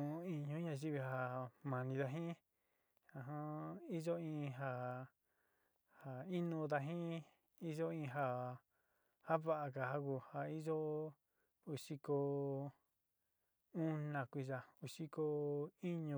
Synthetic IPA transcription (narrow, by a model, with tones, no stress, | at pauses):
ũ˧i˧ɲũ˧˦ɲã˧˨ʒi˦βi˧ɦa˧mã˨nĩ˧ða˧ɦĩ˦ | ã˧˨ɦã˦i˦ʒo˦ĩ˧ɦa˧ | ha˧i˦nũ˧d̪a˧ɦĩ˦ | i˦ʒo˦ĩ˧ɦa˧ | ha˦βa˦ʔa˧ka˨ɦa˦ku˧˨ha˧i˦ʒo˦ | u˧ʂi˧ko˧ | u˦nã˧kʷi˧ʒa˧u˧ʂi˦ko˧i˦ɲũ˧